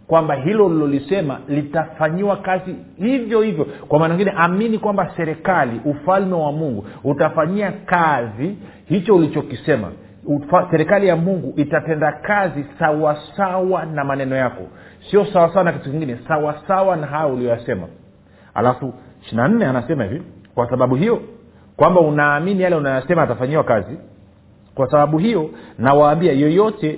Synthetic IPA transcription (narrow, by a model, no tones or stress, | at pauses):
kwambaɦilɔlilɔlisɛma̰litafaɲiwakazi | hivjɔhivjɔkwamaːnaɲiŋɡinɛʔaminikwambasɛɾɛkaliʔufalmɛwamuŋɡuutafaɲiakazi | hit͡ʃɔulit͡ʃɔkisɛma̰ | fasɛɾɛkalijamuŋɡuʔitatɛndakazisawasawanamanɛnɔjakɔ̰siɔsawasawanakitukiŋɡinɛsawasawanaɦajaulijɔjasɛma̰ | ha̰lafuʃinan̩nɛanasɛmahḭvikwasaɓaɓuɦijɔ | kwambaunaːminijalɛunajɔjasɛmaːtafaɲiwakazi | kwasaɓaɓuɦijɔnawaːmbiajɔjɔtɛ